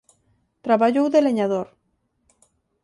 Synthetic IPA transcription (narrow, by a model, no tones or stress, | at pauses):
t̪ɾaβaʎowðeleɲaðoɾ